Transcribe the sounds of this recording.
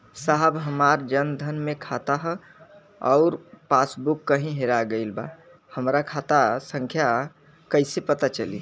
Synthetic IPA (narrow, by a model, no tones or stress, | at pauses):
saɦəbɦəmaɾd͡ʒənd̪ʱənmekʰat̪aɦ | ɔʊɾpasbukːəɦĩɦeɾaɡəɪlba̰ | həmɾakʰat̪asə̃ŋkʰja | kəɪsepət̪at͡ʃəlḭ